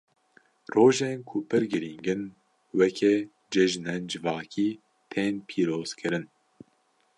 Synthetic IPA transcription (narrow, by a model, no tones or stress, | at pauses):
roːʒeːnkʰʊpʰɨɾɡɨɾiːŋɡɨn | wɛkʰɛ | d͡ʒɛʒnɛnd͡ʒɨvɑːkʰiː | t̪ʰeːnpʰiːɾoːz̥kʰɨɾɨn